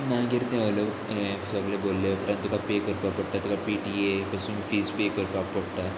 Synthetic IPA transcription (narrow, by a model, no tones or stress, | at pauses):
nãɡeɾt̪ẽələʋ | efsəɡleboːlːepəɾə̃nt̪ːukapekəɾpapəɽʈ̪ːat̪ukapiːʈiepasũːnfiːspekəɾpak̚pəɽʈ̪a